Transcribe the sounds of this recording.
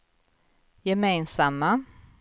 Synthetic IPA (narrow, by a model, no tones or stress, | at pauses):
jɛmeːnsamːa